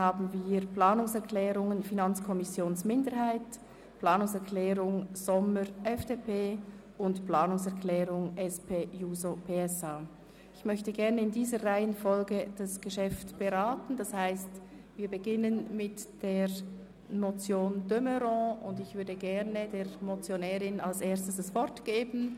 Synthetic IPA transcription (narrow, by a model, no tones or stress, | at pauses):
haːbn̩viːʁpl̥aːnʊŋsɛʁkʰl̥ɛːʁʊŋənfinant͡skʰɔmɪsjoːnsmɪndəɾhaɪt | pl̥aːnʊŋsɛʁkʰlɛːʁʊŋz̥ɔməɾʔɛfd̥epʰeː | ʊntplaːnʊŋsɛʁklɛːʁʊŋʔɛspʰeːjuːzopʰeːɛsaː | ɪçmœçtəɡɛʁnəɪndiːzəʁaɪənfɔlɡəd̥asɡ̥əʃɛftb̥əʁaːtn̩d̥ashaɪst | viːɐbəɡɪnənmɪtd̥eːʁ | not͡sjoːndøməɾɔ̃ʊndɪçv̥ʏɐdəɡɛɐnədeːʁmot͡sjonɛːɾɪnalseːɐstəsəsv̥ɔʁtɡ̥eːbn̩